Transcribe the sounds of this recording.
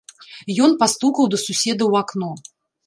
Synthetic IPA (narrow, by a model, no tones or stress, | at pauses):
jɔnpast̪ukɐwd̪ɐsusʲɛd̪ɐwaknɔ